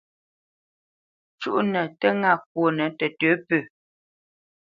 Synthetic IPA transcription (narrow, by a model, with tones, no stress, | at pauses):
t͡ʃṵ˦ʔnə˨tə˦ŋa˦˨k̚wo˨nə˨tə˨tøː˨˦pə˨